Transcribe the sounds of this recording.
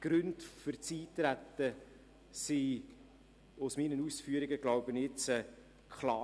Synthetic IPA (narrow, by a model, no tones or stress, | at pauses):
ɡ̥ɾɵndfʏrt͡siːt̪ɾæt̪ːə | si | ʊsminənusfyəɾɪɡəɡlaʊbənɪt͡sɛ | kʰχlɑː